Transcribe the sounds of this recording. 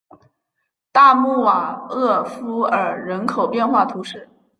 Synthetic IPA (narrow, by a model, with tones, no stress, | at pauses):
t̪a˥˧mu˥˩wa˨˩ɤ˥˩˧fu˥ə˞˨˩ɻə˧˥nkʰo˨˩ʊpjɛ˥˧nxwa˥˩t̪ʰu˧˥ʂɻ̩˥˩